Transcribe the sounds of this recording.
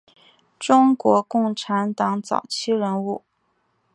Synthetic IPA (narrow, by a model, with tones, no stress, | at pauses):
ʈ͡ʂʊ˥ŋkwɔ˧˥kʊ˥˩ŋʈ͡ʂʰa˧˥nt̪ɑ˧˥ŋt͡sɑ̰˨˩ʊt͡ɕʰi˥ɻə˧˥nu˥˩